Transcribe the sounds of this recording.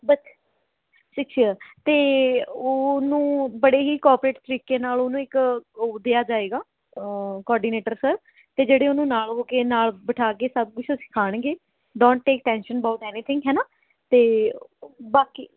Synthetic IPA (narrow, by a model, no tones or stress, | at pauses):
bəs | ʃɪk̚t͡ʃʰiət̪eːoːnũːbəɽeːɦiːkɔːɾpɾeːʈt̪əɾiːkeːnaːloːnũːɪkod̪ejaːd͡ʒaːeːɡaː | kɔːɾɖiːneːʈəɾsəɾ | t̪eːd͡ʒeːɽeːʊnũːnaːloːkeːnaːlbəʈʰaːkeːsəb̚kʊt͡ʃʰoːsɪ̥kʰaːɽ̃ẽːɡeː | ɖõːɳʈːeːk̚ʈɛ̃ːnʃənəbaːʊʈɛːniːt̪ʰɪ̃ŋɡɦɛːnaː | t̪eː | baːkiː